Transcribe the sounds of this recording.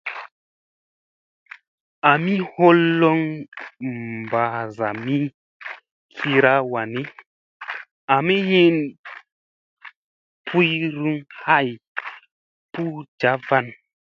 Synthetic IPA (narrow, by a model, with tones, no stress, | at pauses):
a˨mi˦ho˦lːɔ˦ŋ | mba˨za˨mi˦ | kʰi˧ɾa˦wa˨ni˦ | a˨mi˦ji˦n | pʰu˦jɾu˦ŋha˦˨j | pu˦d͡ʒa˨˦va˦˨n